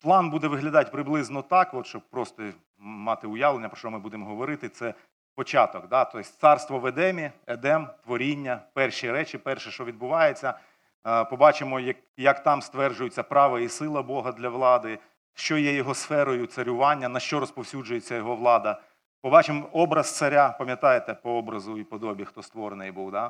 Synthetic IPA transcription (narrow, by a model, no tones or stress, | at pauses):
plˠɑnbud̪ɛʋɪɦlʲɐd̪ɑt̚ʲpɾɪblˠɪznɔt̪ɑkɔt̪ʃt͡ʃɔb̚pɾɔst̪ɔ | mɑt̪ɪʊjɑʋlˠenʲːɐpɾɔ̥t͡ʃɔmɪbud̪emɔɦɔʋɔɾɪt̪ɪt̪sɛ | pɔt͡ʃɑt̪ɔkd̪ɑt̪ɔsʲt̪sɑrst̪ʋɔʋed̪ɛmʲiɛd̪ɛmt̪ʋɔɾʲinʲːɐpɛrʃiɾɛt͡ʃɪpɛrʃɛʃt͡ʃɔʋʲid̪̚bʊʋɑjet͡sʲːɐ | pɔbɑt͡ʃɪmɔjɐk | jɐkt̪ɑmst̪ʋɛrʒʊjʊt͡sʲːɐpɾɑʋɐisɪlˠɐbɔɦɐd̪lʲɐʋlˠɑd̪ɪ | ʃt͡ʃɔjɛjɔɦɔsfɛɾɔjʊt̪sɐɾʲʊʋɑnʲːɐnɐʃt͡ʃɔɾɔspɔwsʲud͡ʒʊjet͡sʲːɐjɔɦɔʋlˠɑd̪ɐ | pɔbɑt͡ʃɪmɔɔbɾɐz̥t̪sɐɾʲapɐmʲjɐt̪ɑjet̪ɛpɔɔbɾɐzʊipɔd̪ɔbʲixt̪ɔst̪ʋɔɾenɪjbuwd̪a